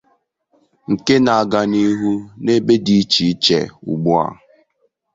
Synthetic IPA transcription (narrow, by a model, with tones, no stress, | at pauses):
ŋ̩˨ke˦na˨a˨ɡa˨ni˦ɦu˦ne˦be˦di˨˦t͡ʃi˨˦t͡ʃḛ˨ṵ˨ɡ͡bu˦a̰˨